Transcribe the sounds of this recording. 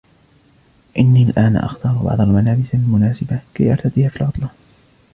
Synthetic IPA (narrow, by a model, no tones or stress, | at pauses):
ʔɪnːiːlʔaːna̰ʔɑ̰xt̪ɑːɾˤbɑ̰ʕd̪ˤalmalaːbɪsalmʊnaːsɪbakajʔɑɾˤt̪ad̪iːhaːfilʕʊt̪ˤlɑ